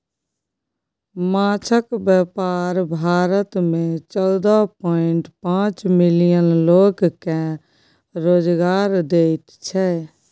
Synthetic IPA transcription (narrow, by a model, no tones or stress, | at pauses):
mãt͡ʃʰəkbjəpaɾbʱaːɾət̪mẽt͡ʃɔld̪əɦpɔɪɳʈpãt͡ʃmilijənloːɡke | ɾoːd͡ʒɡaːɾd̪eɪt̪t͡ʃʰɛ